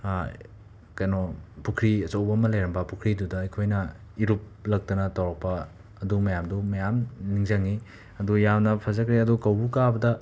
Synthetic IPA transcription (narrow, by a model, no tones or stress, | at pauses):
kɐjnopukʰɾiɐt͡ʃɐwbɐmɐlɐjɾɐmbɐpukʰɾidudɐɐjkʰojnɐ | iɾup̚lɐk̚tɐnɐtɐwɾɐk̚pɐ | ɐdumɐjamdumɐjamniŋzɐŋi | ɐdujamnɐpʰɐzɐkɾeɐdukɐwbukabɐdɐ